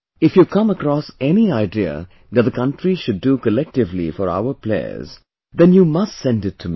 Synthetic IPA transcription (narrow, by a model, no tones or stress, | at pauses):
ɪfjukʰʌ̃məkɾɔsɛniaɪdiə̰ | ðɨt̚ðəkʰʌ̃nʈɾiʃʊdːukəlɛk̚ʈɪvlḭfɔɾa̰ʊə˞plḛɪə̰z | ðɛ̃njuːmʌstsɛ̃ndɪtʰːum